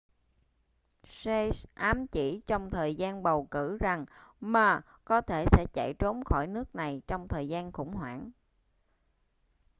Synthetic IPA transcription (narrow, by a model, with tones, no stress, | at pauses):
se˧sʔaː˨˦mt͡ɕi˧˩t͡ɕɔ˧wŋ͡mt̪ʰəː˨˩jzaː˧nɓə˨˩wkɨ˧˩za˨˩ŋmaː˨˩ | kɔ˨˦t̪ʰe˧˩sɛ̰˧˥t͡ɕa̰˧˩jt͡ɕo˨˦mxɔ˧˩jnɨ˦˥ək̚na˨˩jt͡ɕɔ˧wŋ͡mt̪ʰəː˨˩jzaː˧nxʊ̰˧˥ŋ͡mɦwa̰ː˧˩n